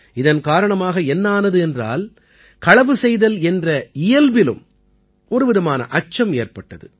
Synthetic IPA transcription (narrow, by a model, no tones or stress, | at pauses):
ɪðɐnkaːɾɐɳɐmaːɣɐɛnːaːnɐðɯɛndra̰ːl | kɐɻɐʋɯsɛjðɐlɛndrɐɪjɐlʋɪlɯ̰m | ɔɾɯʋɪðɐmaːnɐ̰ʔɐt͡ʃːɐmeːrpɐʈːɐðɯ̰